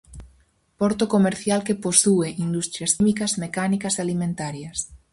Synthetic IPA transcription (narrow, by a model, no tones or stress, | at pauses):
pɔɾt̪okomeɾθjalkeposueʔind̪ust̪ɾjɐsimikɐsmekanikɐsalimẽnt̪aɾjɐs